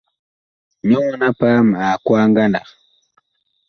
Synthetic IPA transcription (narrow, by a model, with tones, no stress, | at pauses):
ɲu˦ŋna˦pa˦m˨a˨kwaː˦ŋɡa˦nɑ̰˨χ